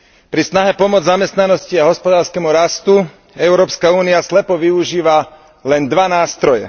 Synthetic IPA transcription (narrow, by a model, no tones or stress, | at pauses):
pɾisnaɦɛpɔmʊɔd͡zzamɛst̪nanɔsciaɦɔspɔd̪aːɾskɛmuɾast̪u | ɛʊɾɔːpskauːniaslɛpɔʋiuʒiːʋa | lɛnd̪ʋanaːst̪ɾɔjɛ̰